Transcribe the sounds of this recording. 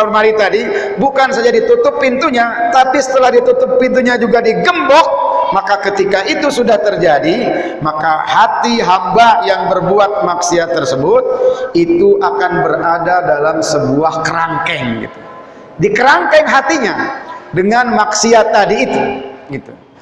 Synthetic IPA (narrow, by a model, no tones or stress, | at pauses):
maɾit̪adi | bukansad͡ʒadit̪ut̪ʊpːint̪uɲat̪apisə̥t̪əlahdit̪ut̪ʊpːint̪uɲad͡ʒuɡadiɡəmbɔk̚makakət̪ikaʔit̪usudaht̪ərd͡ʒadi | maka̰hat̪iɦambajaŋbərbuat̪̚maksiat̪ərsəbʊt̪̚it̪uʔakanbəradadalamsəbuahkəɾaŋkɛŋɡḭt̪u̥ | dikəɾaŋkɛŋɦat̪iɲadəŋanmaksiat̪adiːt̪uɡit̪u̥